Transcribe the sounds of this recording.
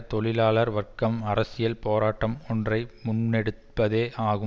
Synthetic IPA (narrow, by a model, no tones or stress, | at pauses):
t̪ɔɭɪlaːɭɐɾʋɐrkɐmɐɾɐsɪjɐlpoːɾaːʈːɐmɔndrɐɪmʊnːɛɽɯt̪pːɐðeːʔaːɣɯ